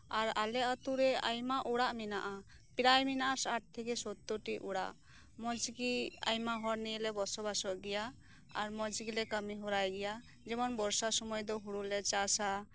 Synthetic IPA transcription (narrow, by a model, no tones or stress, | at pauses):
aɾalɛət̪uɾɛajmaʔuɽaʔminaʔa | piɾajminaʔaɾsaʈ̚t̪ʰɛkɛsɔt̪ːɔʈiʔuɽa̰ʔ | mɔd͡ʒɡia̰jmaɦɔɾnilɛbɔsɔbasɔʔɡɛja | a̰ɾmɔd͡ʒɡilɛkəmiɦɔɾajɡɛja | d͡ʒɛmɔnbɔɾsasɔmɔjd̪ɔɦuɽulɛt͡ʃasa